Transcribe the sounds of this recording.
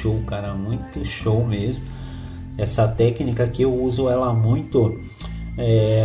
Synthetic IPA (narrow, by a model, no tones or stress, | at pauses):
owkaɾɐmũj̃t̪ʊʃowmezmʊ | ɛsɐt̪ɛknikɐkɪewuzʊɛlɐmũj̃t̪ʊ | ɛ